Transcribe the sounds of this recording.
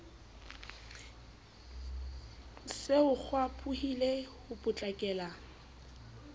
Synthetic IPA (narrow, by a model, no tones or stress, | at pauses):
sɪʊk͡xʰwapʰʊhilehʊpʼʊt͡ɬʼakʼɛːla